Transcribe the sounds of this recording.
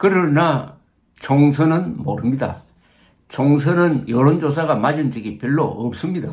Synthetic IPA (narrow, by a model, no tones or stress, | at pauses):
kɯɾɯna | t͡ɕoŋsʰɯnɯnmo̰ɾɯmɲida̰ | t͡ɕoŋs̬ʰɯnɯnjʌɾond͡ʑos̬ʰaɡamad͡ʑɯnd͡ʑiɡipjʌɭːo̰ʌp̚s͈ɯmɲida